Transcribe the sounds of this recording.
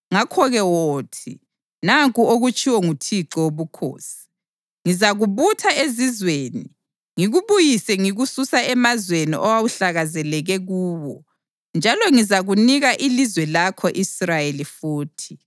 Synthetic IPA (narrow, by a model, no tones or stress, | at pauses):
ŋakʰɔɣɛwoːtʰi | naŋkʼuoɣut͡ʃʼiwɔŋutʰiǁɔwoβukʰo̰ːsi̥ | ŋizaɣuβutʰaezizweːni | ŋiɣuβujisɛŋiɣususaɛmazwenḭʔɔwawuɬaɣazɛlɛɣɛɣuːβɔ | nd͡ʒʱalɔŋizaɣuniɣaʔilizwɛlakʰɔʔisrajelifuːtʰi̥